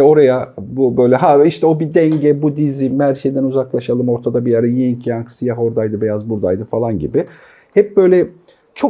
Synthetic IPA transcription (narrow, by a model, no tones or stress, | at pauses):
o̞ɾajabubø̞jlʲɛɦaiʃt̪ʰɛo̞bid̪ɛɲɟɛbud̪izimhæɾʃe̞jd̪ænuzaklˠaʃalˠɯmo̞ɾt̪ʰad̪abiaɾajeincʰiaŋksijaɦo̞ɾd̪ajd̪ɯbɛjazbuɾd̪a̰jd̪ɯfalˠanɟḭbɪ | hɛp̚bø̞jlʲɛ | t͡ʃʰo̞